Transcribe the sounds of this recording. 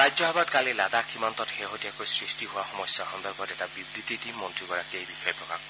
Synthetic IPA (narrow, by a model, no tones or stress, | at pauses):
ɾad͡ʒɔɦabad̪kalelad̪akʰimɔnt̪ɔtɦeɦot̪iakɔjsɾisʈiɦoaxɔmɔsjaɦɔnd̪ɔɾkɔɾeʈabibɾit̪it̪imːɔntukɔɾakejbikʰɔjpɾɔkak